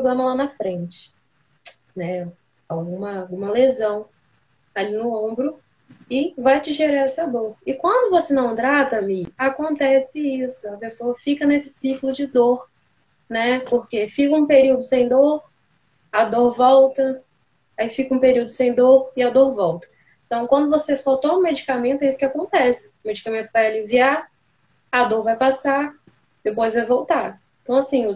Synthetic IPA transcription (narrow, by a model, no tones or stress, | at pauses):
pɾoblẽmɐlanɐfɾẽt͡ʃɪ̥ | nɛ | awɡũmɐwɡũmɐlezɐ̃w̃ | alinʊõbɾʊ | ɪvajt͡ʃɪʒeɾaɛsɐd̪oɾɪkwɐ̃nd̪ʊvosenɐ̃w̃t̪ɾat̪ɐmiakõnt̪ɛsɪisʊɐpesoɐfikɐnesɪ̥siklʊd͡ʒɪd̪oɾ | nɛpoɾkefikɐũpeɾiwd̪ʊsẽj̃d̪oɾ | ɐd̪oɾvɔwt̪ɐ | aifikɐũpeɾiwd̪ʊsẽj̃d̪oɾɪad̪oɾvɔwt̪ɐ̥ | ẽt̪ɐ̃w̃kwɐ̃nd̪ʊvosesɔt̪õmũmed͡ʒikamẽnt̪ʊɛisʊ̥kʲɪakõnt̪ɛsɪ̥ʊmed͡ʒikamẽnt̪ʊvajaliviaɾ | ɐd̪oɾvajpasaɾ | d̪̥epojzvajvowt̪aẽt̪ɐ̃w̃asĩ